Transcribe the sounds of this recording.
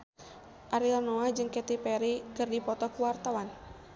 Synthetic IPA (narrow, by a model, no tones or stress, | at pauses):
ʔaɾilanoahd͡ʒɨŋkɛt̪ipɛɾikɨrdipɔt̪ɔkuwart̪awan